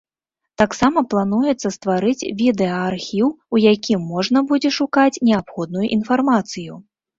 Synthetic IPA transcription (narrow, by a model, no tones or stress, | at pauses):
t̪aksamɐplˠanujɛt̪sːɐst̪vaɾɨt͡sʲvʲid̪ɛɐarxʲiw | ujakʲimːɔʐnɐbud͡zʲɛʂukat͡sʲnʲɛapxɔd̪̚nujuʔin̪farmat̪sɨju